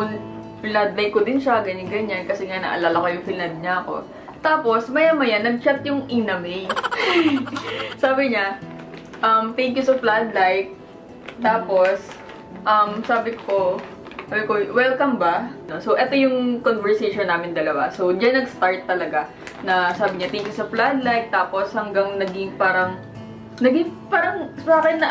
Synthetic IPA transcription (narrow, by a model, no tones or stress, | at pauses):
ʊn | plad̪lɐjkːod̪ɪnʃaɡɐɲaɡɐɲankɐsɛŋanɐ̰ʔɐ̰laːlɐkojʊŋfɪlɐd̪̚ɲɐɐko̞̰ | t̪aːpo̞smɐjamɐjanɐɡ̚t͡ʃat̪̚jʊŋʔinɐmej | saːbɪɲa | ʔɐmt̪ɛŋkjusoplad̪lajk̚ | t̪aːpo̞s | ʔɐmsaːbɪkʰo | saːbɪkowɛlkɐmbɐno̞sowʔɛt̪o̞jʊŋkonvɛɹsejʃonːaːmɪnd̪ɐlɐwa̰sowd͡ʒanːɐɡst̪aɹt̪ːɐlɐɡa | nɐsaːbɪɲat̪ɛŋkjʊsɐplad̪lajk̚t̪aːposhɐŋɡɐŋnɐɡɪŋpaːɾɐŋ | nɐɡɪŋpaːɾɐŋsaːkɪnːɐ